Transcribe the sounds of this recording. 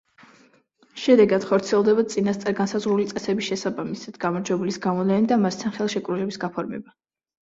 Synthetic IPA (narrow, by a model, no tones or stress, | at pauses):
ʃɛd̪ɛɡad̪̥χɔɾt̪sʰiɛlˠd̪ɛbat̪sʼinast̪sʼaɾɡansazʁɾulit̪sʼɛsɛbisʃɛsabamisad̪̥ɡamɔɾd͡ʒɛbulisɡamɔlɛnid̪amast̪ʰanχɛlˠʃɛkʼɾulɛbisɡapʰɔɾmɛ̰ba